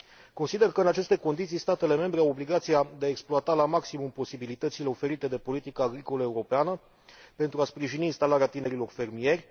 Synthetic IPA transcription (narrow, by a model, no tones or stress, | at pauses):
ko̞nsid̪e̞rkəɨnat͡ʃe̞st̪e̞ko̞nd̪it̪sijst̪at̪e̞le̞me̞mbɾeawo̞bliɡat̪sijad̪eaeksploat̪alamaksimumpo̞sibilit̪ət̪sile̞o̞fe̞ɾit̪e̞d̪e̞po̞lit̪ikəːɡɾiko̞ləeuɾo̞peanə | pe̞nt̪ɾuaspɾiʒiniːnst̪alaɾeat̪ine̞ɾilo̞rfe̞rmije̞rʲ